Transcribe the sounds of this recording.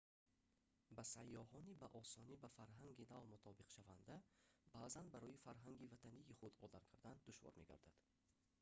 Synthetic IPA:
bæsajːɔhɔnibæʔɔsɔnibæfaɾɦaŋɡinavmut̪ʰɔbiqʃavand̪æbazanbæɾɔjifaɾɦaŋɡivæt̪ʰanijːχud̪ɔd̪aɾkʰaɾd̪and̪uʃvɒ̰ɾme̞̰ɡa̰ɾd̪ad̪̥

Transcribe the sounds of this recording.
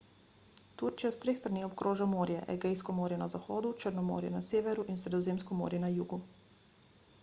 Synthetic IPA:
t̪uɾt͡ʃijast̪ɾeːxst̪ɾaniːxobkɾoːʒamoːɾjɛʔɛɡejskɔmoːɾjɛnazaxoːd̪ut͡ʃəɾnɔmo̰ːɾjɛ̰nasjeːʋɛɾuʔinsɾɛd̪ɔzeːmskɔmo̰ːɾjɛnajuːɡu

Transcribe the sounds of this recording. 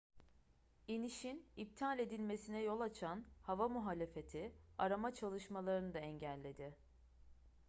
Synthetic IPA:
iniʃinip̚t̪ʰalʲe̞d̪ilʲme̞sinɛjo̞lˠat͡ʃʰanhavamuɦaːlʲe̞fe̞t̪ʰiaɾamat͡ʃʰalˠɯʃmalˠaɾɯnɯd̪aɛɲɟælʲːe̞d̪ɪ

